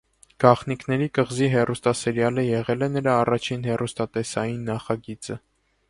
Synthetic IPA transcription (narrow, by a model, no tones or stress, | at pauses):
ɡ̥ɑχnikʰnɛɾikəʁziɦɛrust̪ɑsɛɾjɑləjɛʁɛlɛnəɾɑːrɑt͡ʃʰinɦɛrust̪ɑt̪ɛsɑjinːɑχɑɡit͡sə